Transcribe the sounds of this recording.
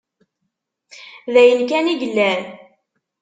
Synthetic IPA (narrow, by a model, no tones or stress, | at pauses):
ðæjənkæniʝəlːæn